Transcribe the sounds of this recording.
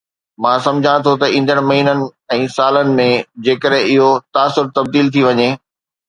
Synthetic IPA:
mãːsɐ̃md͡ʑʱãt̪ʰot̪ɐĩːnd̪əɽ̃mɐɦiːnənɪ̆ɛ̃ːsaːlənɪ̆mẽd͡ʑeːkəɗɦẽɪɦot̪aːsʊɾt̪ɐb̚d̪iːlt̪ʰiʋɐɲeː

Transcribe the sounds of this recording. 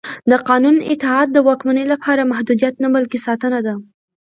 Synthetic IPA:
d̪əqɑnunɪ̰t̪ɪɦɑd̪̚ːəwɑkmanəjlapʰɑɾamahd̪ud̪ijat̪nabalkesɑt̪ənad̪a

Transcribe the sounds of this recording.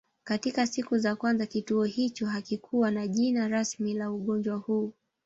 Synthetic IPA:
katikasikuzakwanzakituɔhit͡ʃɔɦakikʰuwanaʄinaɾasmilauɠɔnd͡ʒwahuː

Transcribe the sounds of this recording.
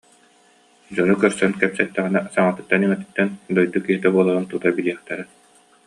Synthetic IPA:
d͡ʑɔnukœɾsœnkɛpsɛt̪ːɛʁinɛsaŋat̪ɯ̥t̪ːanimɛt̪i̥t̪ːɛnd̪ɔjd̪ukːiɦit̪ɛbuɔlˠaɾɯnt̪ut̪abiliɛχt̪ɛɾɛ

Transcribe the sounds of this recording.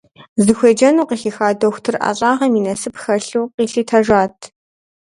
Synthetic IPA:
zɨxʷeːd͡ʒɐnuːqiːxiːxaːdoxʷtʰɨrʔa̰ɕʼaːʁɐmiːnɐsɨpxɐɬuːqiːɬiːtʰɐʒaːtʰ

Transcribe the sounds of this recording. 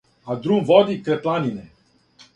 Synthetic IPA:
ad̪ɾumʋɔd̪ikɾɛplaninɛ

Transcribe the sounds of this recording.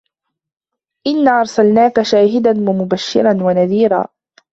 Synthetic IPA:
ʔɪnːaːʔɑɾˤsalnaːkaʃaːɦɪd̪anwamʊbaʃːɪ̰ɾˤanwanaðiːɾa̰ː

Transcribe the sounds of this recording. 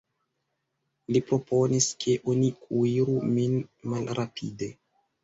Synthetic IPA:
lipɾo̞pʰo̞niskʰe̞ʔonikʰuiɾuminmalɾapʰide̞

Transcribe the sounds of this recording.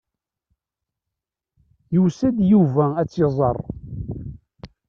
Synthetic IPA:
jusæd̪juvææt͡sːezˤɑrˤ

